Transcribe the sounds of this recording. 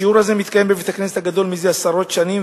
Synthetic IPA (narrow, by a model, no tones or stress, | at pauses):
iuʁazemit̪kajembevet̪akneset̪haɡad̪o̞lmizeasaʁo̞t̪ʃanim